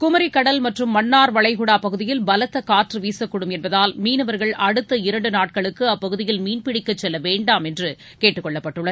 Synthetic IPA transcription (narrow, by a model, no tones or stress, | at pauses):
kʊmɐɾɪkːɐɽɐlmɐʈrɯmːɐnːaːɾʋɐɭɐɪɣʊɽaːpɐɣɯðɪjɪlbɐlɐt̪ːɐkaːʈrɯʋiːsɐkːʊɽɯmɛnbɐðaːlmiːnɯʋɐɾɣɐɭɐɽɯt̪ːɐɪɾɐɳɖɯnaːʈ̚kɐɭɯkːɯɐpːɐɣɯðɪjɪlmiːnpɪɽɪkːɐt͡ʃːɛlːɐʋeːɳɖaːmɛndrɯ | keːʈːɯkːɔɭːɐpːɐʈːɯɭːɐɾ